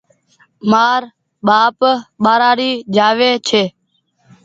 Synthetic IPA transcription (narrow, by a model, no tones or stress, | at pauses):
maːɾ | ɓaːpɓaːɾaːɾiːd͡ʒaːʋeːt͡ʃʰeː